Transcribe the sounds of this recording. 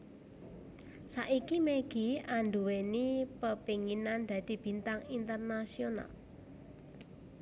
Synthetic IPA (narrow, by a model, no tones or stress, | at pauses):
saʔikimeɡ̥i̤aɳɖ̪uwenipəpiŋinand̪̥ä̤d̪̥i̤b̥i̤nt̪aŋint̪ərnasiona̰l